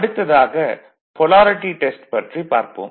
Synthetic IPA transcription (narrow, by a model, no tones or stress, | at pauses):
ɐɽɯt̪ːɐðaːɣɐ | pɔlaːɾɪʈiʈesʈpɐʈripa̰ːɾpo̰ːm